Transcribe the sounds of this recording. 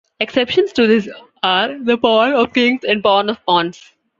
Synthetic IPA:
eksepʃə̃nsʈud̪ɪs | aːɾd̪əpɔːnɔʋkɪ̃ŋɡzɛ̃ɳɖ̚pɔːnɔʋpɔ̃ːns

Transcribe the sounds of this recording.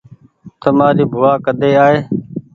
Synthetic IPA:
t̪əmaːɾiːbʱʊʋaːkəd̪eːaːɦeː

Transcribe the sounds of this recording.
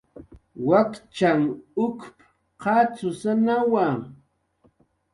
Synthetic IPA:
wakt͡ʃaŋʊkp | qɑt͡sʊsanawa

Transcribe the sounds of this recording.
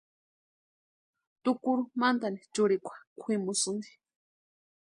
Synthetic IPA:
t̪ʊkʊɾʊmant̪anit͡ʃʊɾikʷʰḁkʷʰimʊsʊnd̪i̥

